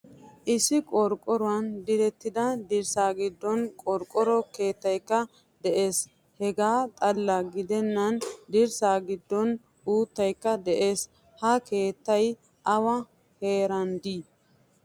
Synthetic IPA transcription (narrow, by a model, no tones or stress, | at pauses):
ʔɪsɪkʼɔɾkʼːɔɾʊwɐnd̪ɪɾɛt̪ːɪd̪ɐd̪ɪɾsaːɡɪd̪ːɔnkʼɔɾkʼɔɾɔke̞ːt̪ːɐjkːɐ | d̪ɛʔeːs | hɛɡaːt̪ʼɐlːɐɡɪd̪ɛnːɐnd̪ɪɾsaːɡɪd̪ːɔn | uːt̪ːɐjkːɐd̪ɛʔe̞ːs | hɐke̞ːt̪ːɐj | ʔɐwɐ | he̞ːɾɐnd̪iː